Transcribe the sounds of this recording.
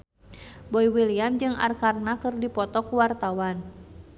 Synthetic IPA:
bɔiwiliamd͡ʒɨŋa̰rkarnakɨrdipɔt̪ɔkuwart̪awan

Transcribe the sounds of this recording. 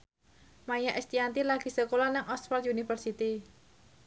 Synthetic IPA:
majaʔɛst̪iant̪ilaɡ̥i̤səkolanaŋʔɔsfarunifərsit̪i

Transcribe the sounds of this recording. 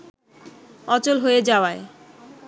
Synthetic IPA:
ɔt͡ɕolɦoed͡ʑaoae

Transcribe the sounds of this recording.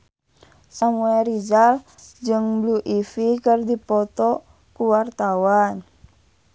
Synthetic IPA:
samuɛɾid͡ʒal | d͡ʒɨŋbluʔifikərdipɔt̪ɔ | kuwart̪awan

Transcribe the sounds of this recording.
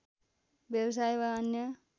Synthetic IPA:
bjʌbʌs̬ajbʌʌnjʌ

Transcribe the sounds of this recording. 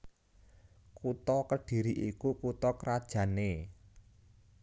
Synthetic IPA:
kut̪ɔkəɖ̥i̤ɾiʔikukut̪ɔkɾad̥ʒ̥ä̤ne

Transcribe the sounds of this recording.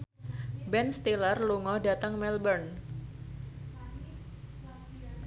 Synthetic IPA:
bɛnst̪ilərluŋɔhdat̪əŋmɛlbərn

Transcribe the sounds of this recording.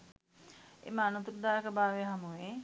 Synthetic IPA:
ḛməanut̪uɾd̪aːəkəbaːʋeɦamuʋe

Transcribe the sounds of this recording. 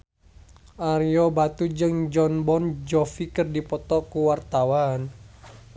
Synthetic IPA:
ʔaɾiɔbat̪ud͡ʒɨŋd͡ʒɔnbɔnd͡ʒɔfikɨrdipɔt̪ɔkuwart̪awan

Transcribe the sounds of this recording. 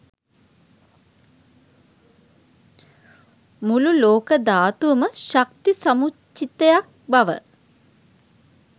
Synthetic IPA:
mululoːkəd̪aːt̪uʋɐməʃɐkt̪isɐmut͡ʃːit̪ɐjak̚bɐʋə̰

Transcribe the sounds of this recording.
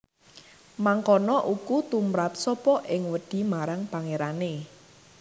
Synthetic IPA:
maŋkɔnɔʔukut̪umɾap̚sɔpɔʔɪŋwəɖ̥i̤maɾaŋpaŋeɾane

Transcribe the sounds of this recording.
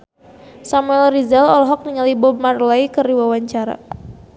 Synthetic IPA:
samuɛlrizɛlɔlɔɦɔk̚niŋalibɔmarlajkəriwawaɲt͡ʃaɾa̰

